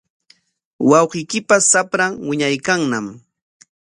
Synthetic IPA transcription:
wɑwqɪjkɪpasapɾaŋwɪɲajkaŋnam

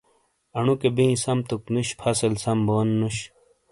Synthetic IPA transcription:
ɐɳukebĩːsɐmt̪uknuɕpʰɐselsɐmboːnːuɕ

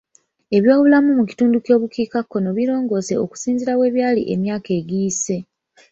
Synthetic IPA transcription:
e̞βjo̞ːβulamumuci̥tuːnduco̞ːβukiːkakːo̞no̞βiɾo̞ːŋɡo̞ːse̞o̰ku̥siːnziɾawe̞ːβjaːlḭʔe̞̰mjaːke̞ɡiːse̞

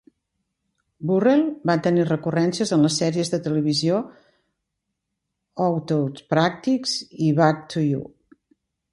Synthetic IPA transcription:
burɛlˠbat̪ənirəkurɛnsiəzənləsːɛɾiəzðət̪ələβ̞izio | ɔwt̪owspɾak̚t̪ikz̥iβak̚t̪ujṵ

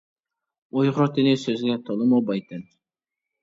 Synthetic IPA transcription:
ojʁɾot̪enesøzɡʲɛt̪ʰolˠɨmobɑjt̪ɛn

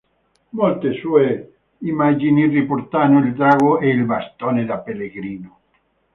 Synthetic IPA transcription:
molt̪esue | imad͡ʒiniripoɾt̪anoild̪ɾaɣoeilbast̪oned̪apeleɣɾino

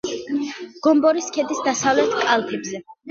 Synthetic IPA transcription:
ɡ̥ɔmbɔɾiskʰɛd̪isd̪asavlɛt̪ʰkʼalˠpʰɛbzɛ

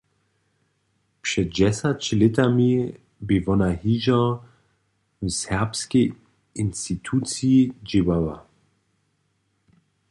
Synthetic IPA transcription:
pʃɛt̚dɛsat͡ɕlɛtami | bɪvɔnahiʒɔ | sɛʁpskɛ | institʰut͡siid͡ʒiwawa̰

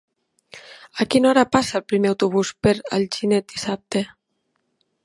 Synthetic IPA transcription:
akinɔɾapasaːlˠpɾimeawt̪uβ̞uspeɾə̰lʒinet̪̚d̪isap̚t̪e

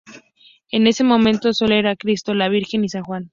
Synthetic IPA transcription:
e̞ne̞se̞mõ̞mẽnt̪o̞so̞leɾakɾist̪o̞laβ̞iɾxe̞nisanxwan

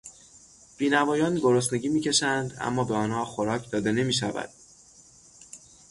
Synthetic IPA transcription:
b̥iːnævɒːjɒːnɡoɾosne̞ɟiːmiːcʰe̞ʃænd̪æ̰mːɒːbeɒːnhɒːxoɾɒːcʰd̪ɒːd̪e̞ne̞miːʃ̬ævæ̰d̪̥̚

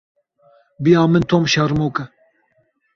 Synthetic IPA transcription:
bijɑːmɨnt̪ʰoːmʃaɾmoːkɐ

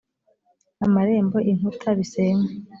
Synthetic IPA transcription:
amaɾe̞ːmbo̞ʔiŋutʰaβiseːŋe

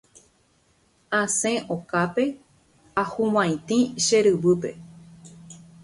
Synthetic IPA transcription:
ãsẽʔokape̞ | ahũwãj̃t̪ĩʃeɾɨβɨpe̞

